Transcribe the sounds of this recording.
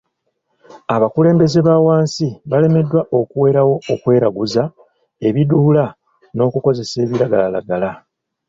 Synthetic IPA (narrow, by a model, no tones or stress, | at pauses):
aβakule̞ːmbe̞ze̞βawaːnsiβale̞me̞dːwaʔo̞kuwe̞ːɾawo̞ːkwe̞ːɾaɡuza | e̞βidula | no̞ːkuko̞ze̞se̞ːβiɾaɡalala̰ɡala